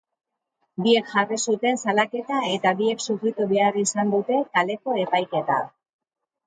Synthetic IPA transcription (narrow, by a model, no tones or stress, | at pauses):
bie̞kʝarisut̪e̞nsalake̞t̪ae̞t̪abie̞ksufɾit̪uβe̞arisand̪ut̪e̞k̪ale̞ko̞e̞pajke̞t̪a̰